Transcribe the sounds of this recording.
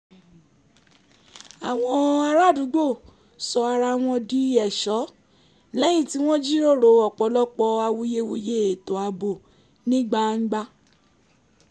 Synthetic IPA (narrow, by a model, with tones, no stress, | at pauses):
a˨w̃ɔ̃˧a˧ɾa˦˨du˨˦ɡ͡bo˦˨ | sɔ˧a˧ɾa˧w̃ɔ̃˧di˦ɛ˦˨ʃɔ˨˦ | lɛ˨˦j̃ĩ˦˨ti˦w̃ɔ̃˦d͡ʒi˦ɾo˦˨ɾo˨ɔ˨k͡pɔ˧˦lɔ˦k͡pɔ˧a˧wu˧je˦wo˧je˦e˨to˨a˨˧bo˨ | nĩ˦ɡ͡ba˦ŋ̩˦ɡ͡ba˦